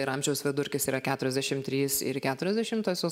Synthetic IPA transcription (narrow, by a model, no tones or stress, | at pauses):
ɪɾɐmʲʒʲɛʊsʋʲɪd̪ʊɾʲkʲɪsiːɾɐkʲæːt̪ʊɾʲɛzʲd̪ʲæʃʲɪmt̪ʲɾʲiːsɪ̰ɾkʲæːt̪ʊɾʲɛzʲd̪ʲæʃʲɪmt̪oːsʲo